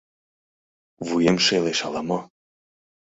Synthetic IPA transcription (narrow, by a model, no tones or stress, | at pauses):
vujemʃeleʃɑlɑmɑ